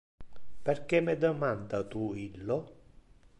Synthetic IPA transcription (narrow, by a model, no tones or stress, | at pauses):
pɛrkɛmːɛd̪əmand̪at̪uilːo